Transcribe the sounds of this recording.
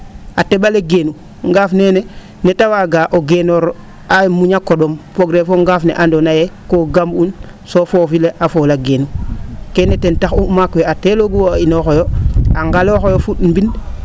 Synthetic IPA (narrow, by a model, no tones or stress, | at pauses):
ateɓaleɡenu | ŋɡaːfnene | netawaɡaʔoɡenoɾ | ajmuɲakːoɗomfoɡɾefoŋɡafnḛʔandonajekoɡambun | sofoːfileʔafoːlaɡenukenetentaxumakweateloɡuwoinoxojoaŋɡaloxojofutmbin